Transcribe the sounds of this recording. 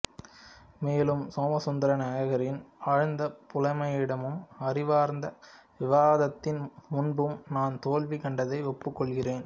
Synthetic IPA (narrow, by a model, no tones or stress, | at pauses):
meːlɯmsoːmɐsɔnd̪ɐɾɐnaːjɐɣɐɾɪnɐɻɯnd̪ɐpʊlɐɪmɐjɪɽɐmɯmɐɾɪʋaːɾnd̪ɐʋɪʋaːðɐt̪ːɪnmʊnbɯmnaːnt̪oːlʋɪkɐɳɖɐðɐɪɔpːɯkːɔɭɣɪreːn